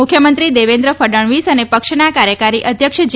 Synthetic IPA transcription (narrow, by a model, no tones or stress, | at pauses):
ʊkʰjəmənt̪ɾid̪eʋẽnd̪ɾəfʰəɖəɳʋisənepəkʃnakaɾjəkaɾiʔəd̪ʱjəkʃd͡ʒ